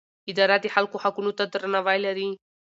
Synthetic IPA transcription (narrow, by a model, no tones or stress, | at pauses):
id̪aɾat̪iħalkuhakunut̪ad̪əɾnaʋajlaɾi